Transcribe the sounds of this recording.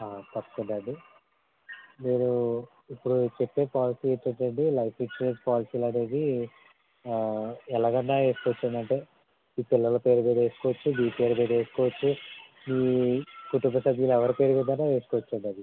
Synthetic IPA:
aːt̪ɐpːɐ̥kund̪ɐɳɖi | miːnu | ipːuɽut͡ʃepːe̞ːpaːlisiːet͡ʃːɐɳʈɐɳɖilɐjpʰit͡ʃɾeːd͡ʒpaːlisiːlɐne̞ːd̪i | ɛlaːɡɐnːaːʋe̞ːskɔʋɐt͡ʃːɐnd̪ɐɳʈe̞ː | iːpilːɐlɐpe̞ːɾubeːd̪e̞ːsu̥kɔːʋɐt͡ʃːubiːpe̞ːɾubeːd̪e̞ːsu̥kɔːʋɐt͡ʃːu | miːkuʈumbɐsɐbʱjɐlɛʋɐɾipe̞ːɾuʋind̪ɐnːaːʋe̞ːsu̥kɔʋɐt͡ʃːɐnd̪ɐd̪i

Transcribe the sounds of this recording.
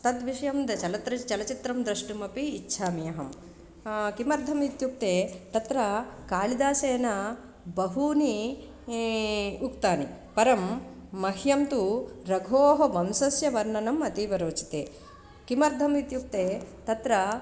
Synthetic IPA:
t̪ɐt̪ʋiʂɐjɐmd̪ɐt͡ʃɐlɐt̪ɾɐt͡ʃɐlɐt͡ʃit̪ɾɐmd̪ɾɐʂʈumɐpiːtːʃʰaːmijɐɦɐm | kimɐɾd̪ʱɐmit̪juk̚t̪eːt̪ɐt̪ɾɐkaːlid̪aːseːnɐ | bɐɦuni | ukt̪aːni | pɐɾɐmːɐɦjɐmt̪uɾɐɡʱoːɦɐʋɐmsɐsjɐʋɐɾnɐnɐmɐt̪iʋɐɾoːt͡ʃi̥t̪ḛː | kimɐɾd̪ʱɐmit̪juk̚t̪eːt̪ɐt̪ɾɐ

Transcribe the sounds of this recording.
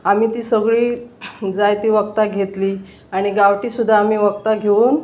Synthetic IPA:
am̤iːt̪iːsəɡɭiːd͡zajt̪iːʋəkt̪aɡʱet̪liː | aɽ̃iɡaʋʈiːsud̪ʱːaːm̤iːʋəkt̪aɡʱeuːn

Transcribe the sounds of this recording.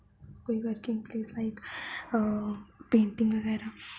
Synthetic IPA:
koːiʋəɾkĩŋɡpleːslaɪk | pẽːɳʈĩŋɡʋəɡɛːɾa

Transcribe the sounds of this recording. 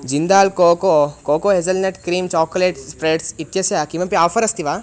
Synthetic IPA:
d͡ʒind̪aːlkoːkokoːkoːɦezɐlnɐʈkɾiːmt͡ʃɔːkoleːʈspɾeːʈsit̪jɐsjaːkimɐpiaːfʰɐɾɐst̪iʋaː

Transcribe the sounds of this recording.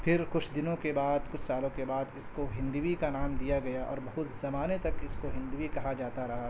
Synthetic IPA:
pʰɪɾkʊt͡ʃʰd̪ɪnõkebaːd̪kʊt͡ʃʰsaːlõkebaːd̪ɪskoɦɪ̃nd̪uwikanaːmd̪ijaɡɐjaʔɔ̰ːɾbɐɦʊt̪z̥ɐmaːnet̪ɐkɪskoɦɪ̃nd̪uʋikɐɦad͡ʒaːt̪aɾɐɦa

